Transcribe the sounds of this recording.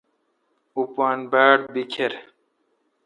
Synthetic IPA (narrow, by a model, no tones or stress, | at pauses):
upaːnbaːɽ̚bikʰeɾ